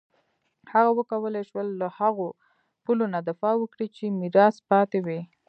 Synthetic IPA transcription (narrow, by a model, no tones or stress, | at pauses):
haɣawəkawəleʃwəlːahaɣo | pulonad̪ɪfɑwəkɽit͡ʃemiɾɑspɑt̪ewi